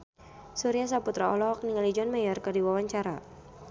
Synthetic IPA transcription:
suɾias̬aput̪ɾaɔ̰lɔɦɔk̚niŋalid͡ʒɔnmajɔrkardiwawaɲt͡ʃaɾa

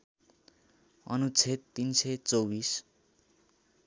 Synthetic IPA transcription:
ʌ̰nut͡sʰet̪ːinset͡sowbis

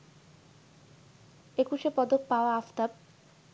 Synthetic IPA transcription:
ekuʃepɔd̪ok̚paoaaft̪ab̚

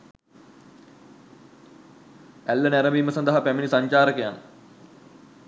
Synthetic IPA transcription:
ælːənæɾəmiːməsɐnd̪əɦapæminisaɲt͡ʃaːɾəkejan

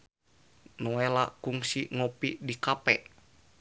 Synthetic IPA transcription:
noɛlakuŋsiŋopidikapɛʔ

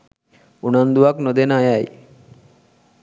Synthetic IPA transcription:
unand̪uaknod̪enajaj

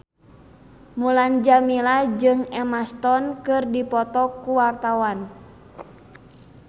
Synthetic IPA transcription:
muland͡ʒamilad͡ʒɨŋɛmast̪ɔnkɨrdipɔt̪ɔkuwart̪awan

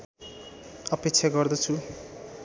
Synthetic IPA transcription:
ʌpekt͡sʰaɡʌrd̪ʌt͡sʰu

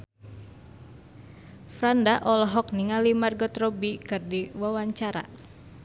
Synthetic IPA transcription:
fɾandaʔɔlɔɦɔk̚niŋalimarɡɔt̪rɔbikɨrdiwawaɲt͡ʃaɾa̰

